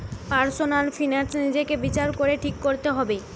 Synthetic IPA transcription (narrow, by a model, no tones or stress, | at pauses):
paɾsonalfʰinansnid͡ʑekebit͡ɕaɾkoɾeʈʰikːoɾt̪eɦɔbe